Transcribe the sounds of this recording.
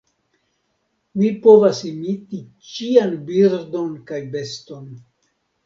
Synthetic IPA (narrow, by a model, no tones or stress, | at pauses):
vipovasimiti | t͡ʃianbiɾdo̞nkajbe̞sto̞n